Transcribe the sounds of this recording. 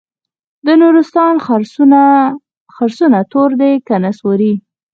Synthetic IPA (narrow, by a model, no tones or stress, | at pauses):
d̪ənuɾɪst̪ɑnɾ | xaɾsunat̪oɾd̪ekanaswoɾi